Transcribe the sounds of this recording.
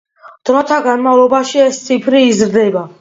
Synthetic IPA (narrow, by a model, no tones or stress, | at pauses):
d̪̥ɾɔt̪ʰaɡanmavlˠɔbaʃiɛst̪sʰipʰɾiːzɾd̪ɛba